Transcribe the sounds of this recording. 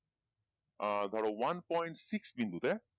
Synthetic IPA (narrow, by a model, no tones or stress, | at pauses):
aɡ̪ʱaɽowanpɔjɳʈsiksbĩnd̪ut̪e